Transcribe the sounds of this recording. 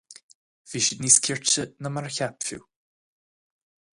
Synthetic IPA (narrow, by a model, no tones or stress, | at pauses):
viːʃɪd̪niːskʲʰɪɹt͡ʃənəmaɹəçapfṵː